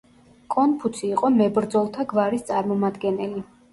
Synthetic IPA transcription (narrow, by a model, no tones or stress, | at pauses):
kʼɔnpʰusʰiːqʼɔmɛbɾd̪zɔlˠt̪ʰaɡvaɾist̪sʼaɾmɔmad̪ɡɛnɛli